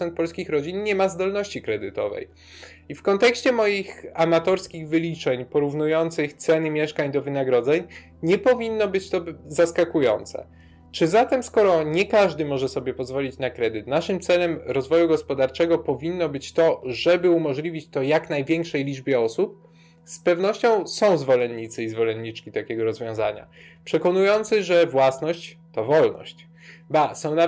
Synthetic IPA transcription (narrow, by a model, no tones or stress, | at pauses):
ɛnt̪̚pɔlskʲixɾɔd͡ʑinɲɛmazd̪ɔlnɔɕt͡ɕikɾɛd̪ɘt̪ɔ̰vɛ̰j | ifkɔnt̪ɛkɕt͡ɕɛmɔjixamat̪ɔɾskʲiɣvɘlʲit͡ʂɛɲpɔɾuvnujɔnt̪sɘxt̪sɛnɘmʲjɛʂkaɲd̪ɔvɘnaɡɾɔd̪zɛɲ | ɲɛpɔvʲinːɔbɘt͡ɕt̪ɔzaskakujɔ̰nt̪sɛ̰ | t͡ʂɘzat̪ɛmskɔɾɔɲɛkaʐd̪ɘmɔʐɛsɔbʲjɛpɔzvɔlʲit͡ɕnakɾɛd̪ɘt̪naʂɘmt̪sɛlɛmɾɔzvɔjuɡɔspɔd̪aɾt͡ʂɛɡɔpɔvʲinːɔbɘt͡ɕt̪ɔʐɛbɘumɔʐlʲivʲit͡ɕt̪ɔjaknajvʲjɛŋkʂɛjlʲid͡ʐbʲjɛɔsup̚ | spɛvnɔɕt͡ɕɔ̃w̃sɔ̃w̃zvɔlɛnɲit̪sɘizvɔlɛnːit͡ʂkʲit̪akʲɛɡɔɾɔzvʲjɔ̃w̃za̰ɲa̰ | pʂɛkɔnujɔnt̪sɘʐɛvwasnɔɕt͡ɕt̪ɔvɔlnɔ̰ɕt͡ɕ | basɔ̃w̃na